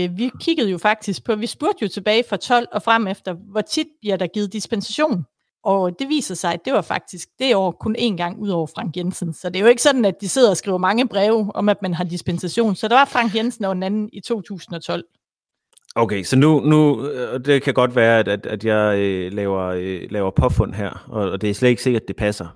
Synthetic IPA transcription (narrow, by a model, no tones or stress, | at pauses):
ʋikʰiɡ̥əð̩ˠjo̝fɑ̈ɡ̥̚d̥isɡ̥̚pʰɒ̽ʋisb̥uɐd̥jo̝t͡sʰe̝b̥ɛːɪfʁɑ̈t͡sʰɒ̽l̰ɒ̽fʁam̰efd̥ɐʋɒt͡sʰid̥̚b̥liɐɾ̥ɑ̈ɡ̥ið̞̩ˠd̥isb̥ensæɕo̝̰ːn | ʔɒ̽d̥e̝ʋḭːsɐsɑ̈ɪæd̥e̝ʋɑ̈fɑ̈ɡ̥̚d̥isɡ̥̚d̥e̝ɒ̰ːkʰɔ̽ne̝̰ːnɡ̥ɑ̈ŋ̰uð̰ˠɒ̰ʊɐfʁɑ̈ŋ̰ɡ̥jensənsɒ̽d̥e̝æjoe̝ɡ̥əsɒ̽d̥n̩æd̥̚d̥ise̝ð̰ˠɒ̽sɡ̥ʁḭːɐmɑ̈ŋəb̥ʁɛːʊɒ̽mæd̥mænɦɑ̈d̥isb̥ensæɕo̝̰ːnsɒ̽d̥ɑ̈ʋɑ̈fʁɑ̈ŋ̰ɡ̥jensən̩ɒʊenænn̩it͡sʰo̝̰ːt͡sʰṵːsn̩ɒ̽t͡sʰɒ̽l̰ | oʊkʰeːsɒ̽nunud̥e̝kʰæɡ̥ɒ̽d̥ʋæːɐd̥æd̥jɑ̈ɪølɛːʊɐølɛːʊɐpʰɒ̽fɔ̽n̰ɦæ̰ɐ̰ɒd̥e̝æsled̥eɡ̥se̝ɡ̥ɐd̥̚e̝pʰæsɐ